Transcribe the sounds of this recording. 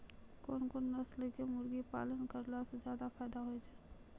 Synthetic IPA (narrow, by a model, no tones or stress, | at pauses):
koːnkonnəslekemʊɾɡipa̰ːlənkəɾlasezjaːd̪apʰɛːd̪aɦoed͡ʒaːe